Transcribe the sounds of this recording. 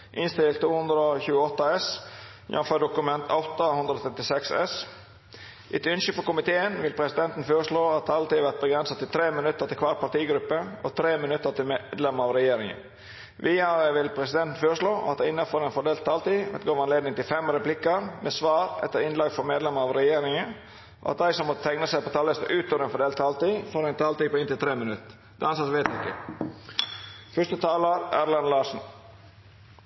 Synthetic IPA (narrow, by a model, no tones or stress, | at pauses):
ʔɪnst̪ɪlt̪ʰːuːhʉnd̪ɾəɔçʉːəɔt̪ːɑɛs | ɪ̰ɑnfɔɖ̪ʊkʉmɛnt̪ʰɑʊt̪ːɑhʉnd̪ɾɔt̪ʰɾɛt̪ːɪsɛksɛ̰s | ʔɪt̪ʏnʃəfɔɾkʊmɪt̪ʰeːənʋɪlpʰɾɛsɪd̪ɛnt̪n̩føːɾəʂɭoːɑt̪̚ɑlt̪iːʋæt̪̚bəɡɾɛnsɑt̪ʰːɪlt̪ʰɾeːmɪnʉt̪ːəɾt̪ɪlkʰʋɑːɾpɑʈiːɡɾʉpːəʔɔ̰t̪ʰɾeːmɪnʉt̪ːət̪ɪlmd̪lɛməɾɑʋɾɛjeːɾɪŋə̰n | ʋʔiːɑəʋɪlpʰɾɛsɪd̪ɛnt̪n̩føːɾəʂɭoːʔɑ̰d̪æɪɪnːəfɔɾɛːnfɔɖeːlt̪ʰːɑːlt̪iːʋɛ̰t̪ɡoːʋɑnleːd̪nɪŋt̪ɪlfɛmɾɛplɪkəɾmʔeːsʋɑːɾɛ̰t̪ːəɾɪnlɑːɡfɔɾmeːd̪lɛməɑʋɾɛjeːɾɪŋə | ʔɑ̰t̪̚d̪æɪsɔmːɔt̪ət̪ʰæŋnəsæɪpɔt̪ʰɑːləst̪əʔʉːt̪oːɾɛnfɔɖeːlt̪ʰːɑːlt̪iːfoːɾɛɪnt̪ʰɑːlt̪iːpɔːɪnt̪ɪlt̪ɾeːmɪnʉt̪ː | d̪ɑnsɑt̪ʋeɪt̪ʉɪkːə̰ | fœʂt̪ət̪ʰɑːləɾæːɾlɑnlɑːʂn̩